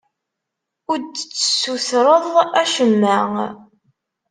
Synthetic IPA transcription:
ʊɾd̪t͡sːə̥suθɾˤəðˤæʃəmːæŋ

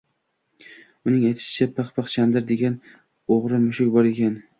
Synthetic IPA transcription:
ʊnɪŋajt̪ʰɪ̥ʃɪ̥t͡ʃʰapʰaχpɑχt͡ʃʰamd̪ɪɾd̪e̞ɡʲan | oʁɾɪmʊʃʊkʲbɒɾe̞kʲʰan

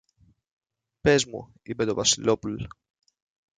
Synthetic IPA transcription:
pezmṵ | ipe̞t̪o̞vɐsilo̞pul

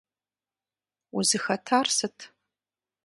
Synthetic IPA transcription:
uzɨxɐtʰaːrsɨtʰ

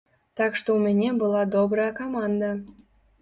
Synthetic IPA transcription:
t̪ɑkʃt̪oumʲenʲebɤ̆lˠɑd̪obɾəɑkɑmɑnd̪ɑ

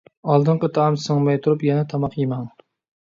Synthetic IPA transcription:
ɑlˠd̪ɨɴqət̪ʰɑːmsɨŋmɛjt̪ʰuɾupjɛnɛt̪ʰɑmɑqjimɑŋ

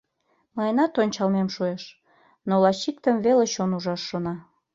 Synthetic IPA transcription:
mɑjnɑt̪onʲt͡ɕɑlmemʃueʃ | nolɑɕik̚t̪əmveleʃonuʒɑʃːonɑ

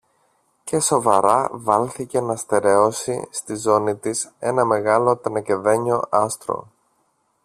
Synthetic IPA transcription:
ce̞so̞vɐɾɐvɐlθice̞nɐst̪e̞ɾe̞o̞sḭst̪izo̞nit̪ise̞nɐme̞ɣɐlo̞t̪ɐnɐce̞ðeɲo̞ʔɐst̪ɾo̞̰

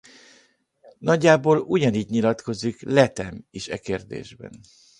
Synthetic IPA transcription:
nɒɟːaːboːluɟɒniːɟɲilɒt̪ko̞zːiklɛt̪ɛmiʃɛkeːrd̪ḛːʒbɛ̰n

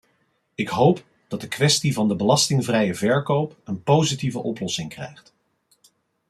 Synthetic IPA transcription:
ɪkɦowp | d̥ɑt̚dəkʋɛstivɑndəbəlɑstɪŋvrɛjəvɛɹkowpənpowzitivəʔɔplɔsɪŋkrɛ̰jχt

